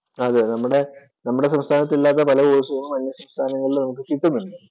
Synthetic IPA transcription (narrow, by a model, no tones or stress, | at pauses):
ɐðɨnɐmːuɽe̞ | nɐmːuɽe̞sɐmst̪ʰaːnɐt̪ːilːaːt̪̬ːɐpɐlɐkoːɾusɐɣɐɭumːɐnjɐsɐmst̪ʰaːnɐŋːɐɭilnɐmukːɨsit̪ːunːuɖɨ